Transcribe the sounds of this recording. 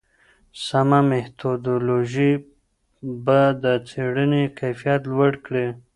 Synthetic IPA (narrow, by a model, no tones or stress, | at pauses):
samameht̪ʰod̪oloʒi | bad̪ət͡seɽənekajfijat̪lwaɽkɽe